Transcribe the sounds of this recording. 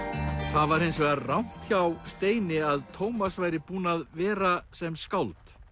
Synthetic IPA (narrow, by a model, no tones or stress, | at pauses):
θaðvaɾejnsvɛɣarawn̥t̪çawst̪eːjnɪaðt̪ʰoːwmasvaːjɾɪpuːnaðvɛːɾasɛmskawlt̪